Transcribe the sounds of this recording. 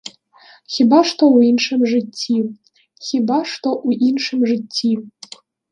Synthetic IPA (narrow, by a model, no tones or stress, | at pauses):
xʲibaʂt̪ouinʂɨmʐɨtʲʰːi | xʲibaʂt̪oʔuʔinʂɨmʐɨtʲʰːi